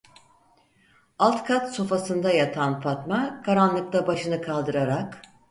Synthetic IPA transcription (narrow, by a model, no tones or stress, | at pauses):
alˠt̪kʰat̪so̞fasɯnd̪ajat̪ʰanfat̪makʰaɾanlˠɯk̚t̪abaʃɯnɯkʰalˠd̪ɯɾaɾak